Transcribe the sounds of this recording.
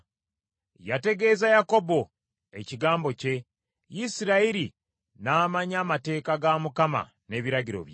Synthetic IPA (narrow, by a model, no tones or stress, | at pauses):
jate̞ɡe̞ːzajako̞bo̞ | e̞ciɡaːmbo̞ce̞ | jisiɾaiɾi | naːmaɲaːmate̞ːkaɡamukama̰ | ne̞βiɾaɟiɾo̰βj